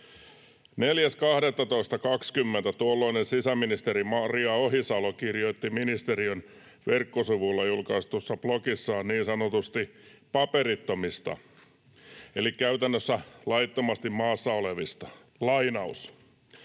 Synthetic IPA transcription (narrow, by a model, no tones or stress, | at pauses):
neljæskɑhdet̪ːɑt̪o̞ist̪ɑkɑkskymːent̪æt̪uolːoinensisæminist̪eɾimɑriɑoɦisɑlokirjoit̪ːiminist̪eɾion | ʋerkːosuʋulːɑjulkɑist̪usːɑb̥lokisːɑːnniːnsɑnot̪ust̪ipɑpeɾit̪ːomist̪ɑ̰ | elikːæyt̪ænːøsːælɑijt̪ːomɑst̪immɑːsːɑoleʋist̪ɑ | lɑinɑus